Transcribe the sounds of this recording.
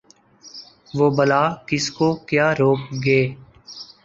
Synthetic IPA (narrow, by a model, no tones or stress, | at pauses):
ʋoːbəlaːkɪskoːkjaːɾoːk̚ɡeː